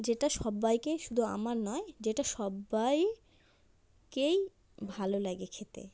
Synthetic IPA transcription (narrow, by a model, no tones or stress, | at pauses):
d͡ʑeʈaʃɔbːajkeʃud̪ʱua̰maɾnɔed͡ʑeʈaʃɔbːaj | kej | bʱalolaɡekʰet̪ḛ